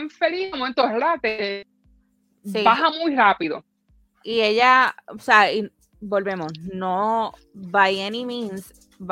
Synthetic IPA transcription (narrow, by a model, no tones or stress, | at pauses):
ɱfeliomwẽnt̪oeɾat̪e | sibaɦamujrapiðo̰ | ieʎaoseai | bo̞lβe̞mosno | βajenĩmĩns | b